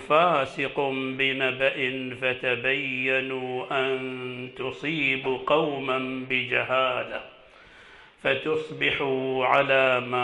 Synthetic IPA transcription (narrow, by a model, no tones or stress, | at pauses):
faːsɪqʊbɪnabaʔɪnfat̪abajːanuʔant̪ʊsˤiːbqɑwmanbɪd͡ʒa̰haːla̰ | fat̪ʊsˤbɪħuʕa̰laːma